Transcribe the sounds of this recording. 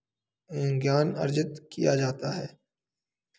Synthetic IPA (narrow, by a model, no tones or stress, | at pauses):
ɡjaːnɐ̰ɾd͡ʒət̪kijad͡ʒaːt̪aɦɛː